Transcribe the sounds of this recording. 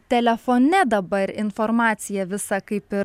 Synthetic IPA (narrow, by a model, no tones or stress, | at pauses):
t̪ʲɛlʲɛfoːnʲɛd̪ɐbɐɾɪnfoːɾmɑːt̪sʲɪjɛʋʲɪsɑkɐɪpɪ